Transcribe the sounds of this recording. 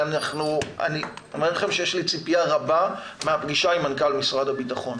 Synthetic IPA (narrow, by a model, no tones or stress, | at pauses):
anaχnua̰niomelaχe̞mʃejeʃlit͡sipijaʁabameapɡiʃaimankalmisʁadabitaχo̞n